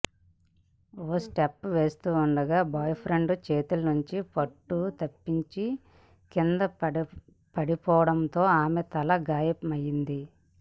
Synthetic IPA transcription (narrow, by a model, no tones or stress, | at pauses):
oːsʈepːʋe̞ːst̪uːuɳɖɐɡaːbaːjpʰɾeɳɖt͡ʃe̞ːt̪ulɐnuɲt͡ʃipɐʈːut̪ɐpːiɲt͡ʃi | kind̪ɐ | pɐɽipɔːʋɐɽɐnt̪o̞ːaːmet̪ɐlɐɡaːjɐpɐmɐjːind̪i